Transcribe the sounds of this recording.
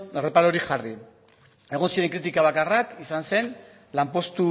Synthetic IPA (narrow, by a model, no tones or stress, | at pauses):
ere̞paɾoɾiʝari | e̞ɣ̞onsiɾe̞ŋkɾit̪̬ikaβ̞akarakisanse̞n | lampo̞st̪u